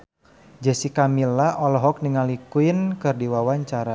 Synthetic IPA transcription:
d͡ʒa̤sikamilaʔɔlɔɦɔk̚niŋalikuɪnkɨrdiwawaɲt͡ʃaɾa

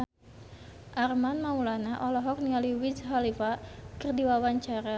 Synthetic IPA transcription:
ʔarmanmaulanaʔɔlɔɦɔk̚nialiwisɦalifakɨrdiwawaɲt͡ʃaɾa

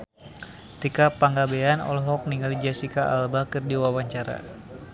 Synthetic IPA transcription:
t̪ikapaŋɡabeanɔ̰lɦɔk̚niŋalid͡ʒasikaʔa̰lbakɨrdiwawaɲt͡ʃaɾa̰

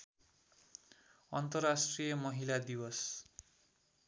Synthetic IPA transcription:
ʌnt̪ʌrasʈrijʌmʌɦilad̪iwʌs

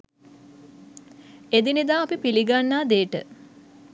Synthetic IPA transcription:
ed̪inid̪aːɐpipiliɡanːaːd̪eːʈə̰

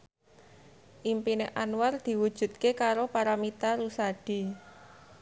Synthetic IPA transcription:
ʔimpineʔanward̪̥i̤wud̥ʒ̥ṳt̪̚kekaɾopaɾamit̪aɾusaɖ̥i̤

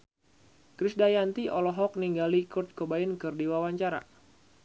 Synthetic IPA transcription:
kɾisdajant̪iʔɔlɔɦɔk̚niŋɡalikʊrt̪̚kobaɪnkɨrdiwawaɲt͡ʃaɾa̰

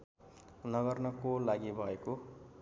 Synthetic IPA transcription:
nʌɡʌrnʌkolaɡibʱʌeko

